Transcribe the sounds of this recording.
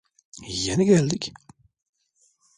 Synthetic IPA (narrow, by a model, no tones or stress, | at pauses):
jːænɡælːək